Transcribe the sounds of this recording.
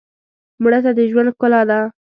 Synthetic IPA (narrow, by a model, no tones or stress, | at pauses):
muɽat̪ad̪əʒwand̪kʊlɑd̪a